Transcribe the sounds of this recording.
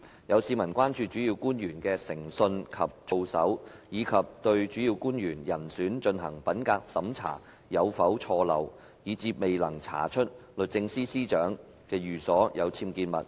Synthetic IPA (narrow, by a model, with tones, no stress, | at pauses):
jɐ˨˧wsiː˨˧mɐ˨˩nkʷaː˥nt͡ʃyː˧t͡ʃyː˨˥ji˧wkuː˥njyː˨˩nkɛː˧sɪ˨˩ŋsɵ˧nkʰɐ˨p̚t͡ʃo˧wsɐ̰˨˥w | jiː˨˧kʰɐ˨p̚t̪ɵ˧ɥt͡ʃyː˨˥ji˧wkuː˥njyː˨˩njɐ˨˩nsyː˨˥nt͡ʃɵ˧nɦɐ̰˨˩ŋpɐ˨˥nkaː˧k̚sɐ˨˥mt͡sʰa̰ː˨˩ | jɐ˨˧wfɐ˨˥wt͡ʃʰɔː˧lɐ̰˨w | jiː˨˧t͡siː˧p̚me˨jlɐ˨˩ŋt͡sʰa̰ː˨˩t͡ʃʰɵ˥t̚lɵ˨t̚t͡sɪ˧ŋsiː˥siː˥t͡ʃœː˨˥ŋ | kɛː˧jyː˨˩sɔː˨˥jɐ˨˧wt͡sʰiː˧mkiː˧nmɐ̰˨t̚